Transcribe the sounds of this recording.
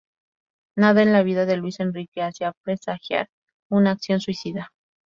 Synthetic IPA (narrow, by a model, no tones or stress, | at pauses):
naðaenlaβ̞iðaðe̞lwise̞nrikeasjapɾe̞saxja̰ɾ | unaːksjo̞nswisiða